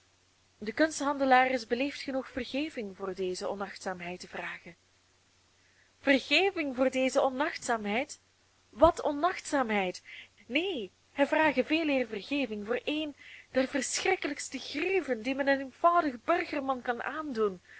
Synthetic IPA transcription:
dəkɵnstɦɑndəlaːrəsbəleːftxənuxfərɣeːvɪŋvʊːrdeːzəɔ̰nɑxtsaːmɦɛjtəvraːɣən | v̥ərɣeːvɪŋvʊːrdeːzəɔnɑxtsaːmɦɛjt | ʋɑtɔnɑxtsaːmɦɛjt | neː | ɦɛjvraːɣəveːlɪːrvərɣeːvɪŋvoːrʔeːjnd̥ɛrvərsxrɪkələkstəɣrivəndimɛnənenv̥ʌwdəɣbɵrɣərmɑnkɑnʔaːndun

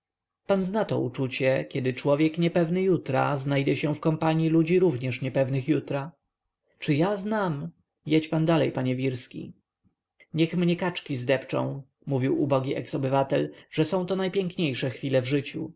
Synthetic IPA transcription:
panznat̪ɔ̰ṵt͡ʂut͡ɕɛkʲɛd̪ɘt͡ʂwɔvʲjɛkɲɛpɛvnɘjut̪ɾa̰znajd͡ʑɛɕɛfkɔmpaɲjilud͡ʑiɾuvɲɛʂɲɛpɛvnɘxjut̪ɾa | t͡ʂɘjaznam | jɛt͡ɕpand̪alɛjpaɲɛvʲiɾskʲḭ | ɲɛxmɲɛkat͡ʂkʲizd̪ɛpt͡ʂɔ̰̃w̃ | muvʲiwubɔɡʲiʔɛksɔbɘvat̪ɛlʐ̥ɛsɔ̃w̃t̪ɔnajpʲjɛŋkɲejʂɛxfʲilɛvʐɘt͡ɕu

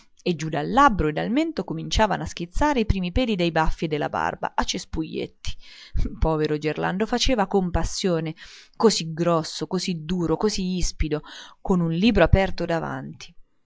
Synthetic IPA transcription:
ed͡ʒud̪alːabɾoed̪alment̪okomint͡ʃaːvanoask̟it̪sːaːɾeipɾiːmipɛːd̪id̪ejbafːjed̪elːa̰ba̰rba̰ʔat͡ʃːespujːḛt̪ʰːi̥pɔːveɾod͡ʒerla̰nd̪ofat͡ʃeːvakompasːjoːnekoziɡɾɔsːokozid̪uːɾokoziispid̪okonunliːbɾoapɛrt̪od̪ava̰nt̪i̥

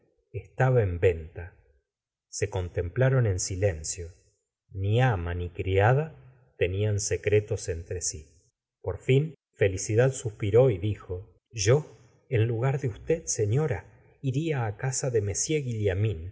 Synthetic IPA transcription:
est̪aβaembe̞nt̪a | se̞ko̞nt̪e̞mplaɾo̞ne̞nsile̞nsjo̞ | niamanikɾiað̞a | t̪e̞nianse̞kɾet̪o̞se̞nt̪ɾesi | po̞ɾfin | fe̞lisiðaðsuspiɾo̞iðixo̞ | ʒo | enluɣaɾðeust̪ed̪se̞ɲo̞ɾa | iɾiaːkasaðeme̞sjeɣiljamĩn

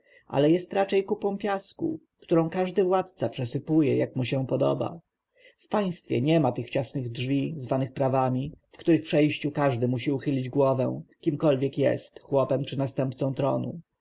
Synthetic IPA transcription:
ʔa̰lɛjɛst̪ɾat͡ʂɛjkupɔ̃w̃pʲjaskṵ | kt̪uɾɔ̃w̃kaʐd̪ɘvwat̪̚t̪sapʂɛsɘpujɛ̰jakmuɕɛ̃pɔd̪ɔ̰ba̰ | fpaj̃st̪fʲjɛ̰ɲɛmat̪ɘxt͡ɕasnɘɣdʐvʲizvanɘxpɾavamʲifkt̪uɾɘxpʂɛjɕt͡ɕukaʐd̪ɘmuɕiuxɘlʲid͡ʑɡwɔvɛ̰w̃kʲimkɔlvʲjɛkjɛ̰st̪xwɔpɛmt͡ʂɘnast̪ɛmpt̪sɔ̃w̃t̪ɾɔ̰nṵ

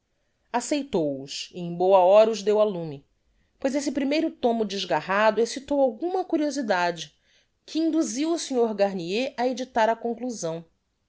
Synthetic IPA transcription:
asejt̪owʊsiẽj̃bowɐɔɾɐuzd̪ewalũmi | pojzesɪpɾimejɾʊt̪õmʊd͡ʒɪʒɡaɦad̪ʊesit̪owawɡũmɐkuɾiozid̪ad͡ʒɪ | kʰɪĩnd̪uziwʊsiɲoɾɡaɾnieʔɐed͡ʒit̪aɾɐkõkluzɐ̃w̃

